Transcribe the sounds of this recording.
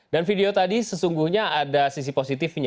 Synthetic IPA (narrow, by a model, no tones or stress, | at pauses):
danfideot̪adisəsuŋɡuhɲaadasis̬iposit̪ɪfɲa